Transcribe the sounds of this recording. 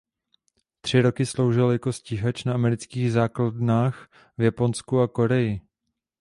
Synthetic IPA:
t̪r̝̥ɪɾo̞kɪslo̞wʒɪljako̞sciɦat͡ʃnaamɛɾɪt͡skiːɣzaːkladnaːx | vjapo̞nskuako̞ɾɛjɪ

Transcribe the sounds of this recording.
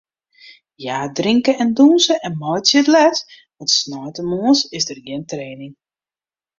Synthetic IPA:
jaːdriŋkəɛndunsəɛnmɔjtsjətlɛt | ʋɔtsnɔjtəmuəsɪsdərɡɪntreːnɪŋ

